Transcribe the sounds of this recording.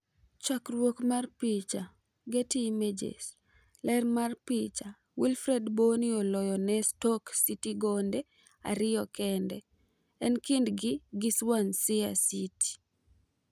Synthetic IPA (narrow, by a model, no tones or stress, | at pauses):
t͡ʃakrwokmarpit͡ʃa | ɡetimed͡ʒḛs | lɛrmarpit͡ʃa | wilfɾɛdbonɪɔlɔjɔnɛstɔksitiɡɔndɛ | a̰ɾɪjɔkɛndɛ | ɛnkindɡɪɡɪswansɪa̰siti̥